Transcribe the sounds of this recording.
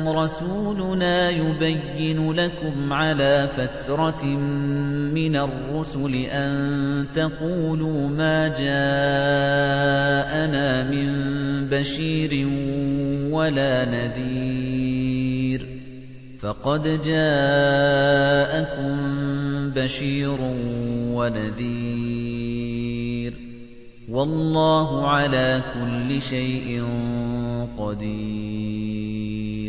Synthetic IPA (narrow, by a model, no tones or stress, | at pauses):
ɾˤɑsuːlʊnaːjʊbajːɪnʊlakʊmʕalaːfat̪ɾˤɑ | mɪnarːʊsʊlɪʔant̪ɑquːluːmaːd͡ʒaː | ʔanaːmɪmbaʃiːɾɪ | walaːnaðiː | ɾ | fɑqɑd̪d͡ʒaː | ʔakʊmbaʃiːɾʊwanaðiː | ɾ | wɑlːɑːɦʊʕalaːkʊlːɪʃajʔɪn | qɑd̪iː | ɾ